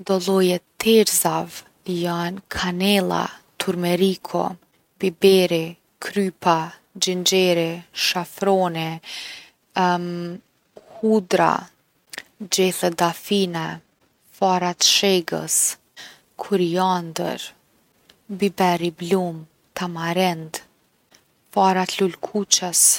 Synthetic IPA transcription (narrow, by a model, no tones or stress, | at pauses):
d̪ɔlˠɔjɛt̪ʰɛɾzav | jankʰanɛlˠa̰t̪ʰuɾmɛɾikʰɔ̰ | bibɛɾi | kʰɾypʰa | d͡ʒind͡ʒɛɾiʃafɾɔnɛ | hud̪ɾa̰ | d͡ʒɛθɛd̪afinɛ | faɾat̪ʃɛɡə̰s | kʰuɾiand̪ə̰ɾ | bibɛɾiblum | t̪amaɾɛnd̪ | faɾat̪lulkʰut͡ʃəs